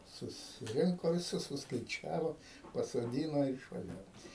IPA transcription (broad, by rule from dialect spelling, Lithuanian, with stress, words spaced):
sʊsʲɪˈrʲɪŋkoː ʋʲɪˈsʊs sʊskɐɪˈt͡ʃʲæːʋoː pɐsoːˈdʲiːnoː ɪr ɪʃʋɐˈʒʲæːʋoːm